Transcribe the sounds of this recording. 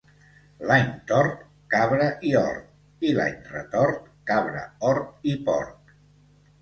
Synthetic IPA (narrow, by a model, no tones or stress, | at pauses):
laɲt̪ɔɾt̪ | kaβɾəʔiɔ̰ɾt̪̚ | ila̰ɲrə̰t̪ɔɾt̪kaβɾə̰ɔɾt̪̚ipɔ̰ɾk